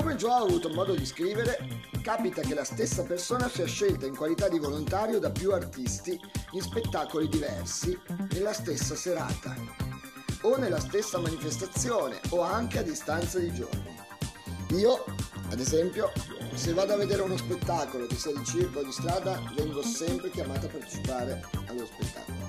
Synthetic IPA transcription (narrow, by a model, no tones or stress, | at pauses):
komed͡ʒoaavuːt̪omɔːd̪od̪iskɾiːveɾekaːpit̪ak̟elast̪esːapersoːnasiːaʃːelt̪aiŋkwalit̪ad̪ivolont̪aːɾjod̪apjuart̪ist̪iinspet̪ːaːkolid̪ivɛrsinelːast̪esːaseɾa̰ːt̪a̰ | onːelːast̪esːamanifest̪at̪sːjoːnḛoaŋk̟ead̪ːist̪ant̪sad̪id͡ʒo̰rnḭ | iːoa̰d̪ezɛmpjosevːaːd̪oavːed̪eːɾeunospet̪ːaːkolokisɛd̪it͡ʃirkod̪ist̪ɾaːd̪avɛŋɡosɛmpɾek̟jamaːt̪oaːpːart̪e̥t͡ʃipaːɾealːospet̪ːa̰ːkolo